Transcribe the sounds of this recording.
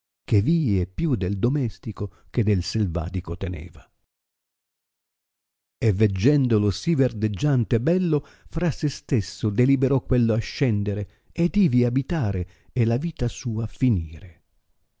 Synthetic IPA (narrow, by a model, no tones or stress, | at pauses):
k̟eviːepjud̪eld̪omɛst̪iko | k̟ed̪ːelselva̰ːt̪ikot̪ɛnɛ̰ːva | evːed͡ʒːɛnd̪olʊsiverd̪ed͡ʒːant̪ɛbɛlːo | fɾasːest̪esːʊd̪elibeɾɔkːwelːʊaʃːɛnd̪eɾe | ed̪iːviabit̪aːɾe | elaviːt̪asuːafiniːɾe